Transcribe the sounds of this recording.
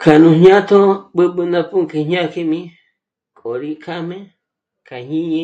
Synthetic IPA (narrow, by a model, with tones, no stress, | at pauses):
kʰa˨nũ˧ɲɲã˦t̪ʰo˦ɓɨ˦ɓɨ˧nã˦˧pu˦ŋke˧ɲɲã˦ke˧mĩ˧˦ | kʼo˨ɾi˧kʰa˦mẽ˦ | kʰa˨ɲĩ˦ɲĩ˧